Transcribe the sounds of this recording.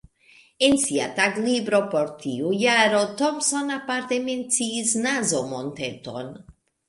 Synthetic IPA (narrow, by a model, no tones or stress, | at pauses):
ensia̰t̪aɡlibɾo̞poɾt̪ʰiujaɾot̪omsonapaɾt̪ement͡siːsnazomont̪et̪o̞̰n